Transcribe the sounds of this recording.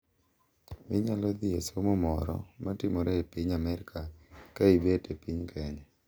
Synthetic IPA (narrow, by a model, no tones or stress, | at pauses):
mɪɲalɔd̪iesomomɔɾɔ̰matɪmɔɾɛepiɲamɛɾkʰakaibetepiɲkʰɛɲɛ